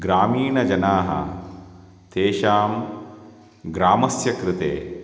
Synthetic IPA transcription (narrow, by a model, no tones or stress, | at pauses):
ɡɾaːmiːɳɐd͡ʒɐnaːɦɐ̰ | t̪eːʃaːm | ɡɾaːmɐsjɐkɾɪt̪ḛː